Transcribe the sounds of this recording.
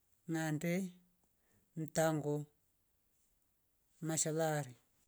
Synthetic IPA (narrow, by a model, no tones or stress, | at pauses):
ŋandɛ | n̩taŋɡɔ | maʃalaɾi